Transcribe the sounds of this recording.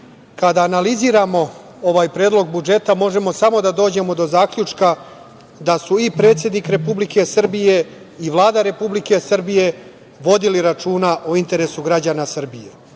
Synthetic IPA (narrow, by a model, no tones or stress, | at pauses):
kad̪aːnaliziːɾamo̞ | o̞ʋaːjpɾe̞ːd̪lo̞ɡ̚bud͡ʒe̞t̪amo̞ʒe̞mo̞samo̞d̪ad̪o̞ːd͡ʑe̞mo̞d̪o̞zaːkʎʲut͡ʃka | d̪asuipɾe̞ːt̪sje̞d̪nikɾe̞publike̞sr̩bije̞ | iʋlˠaːd̪aɾe̞publike̞sr̩bije̞ | ʋo̞d̪iliɾat͡ʃuːnaʔoint̪e̞ɾe̞suɡɾad͡ʑaːnasrbije̞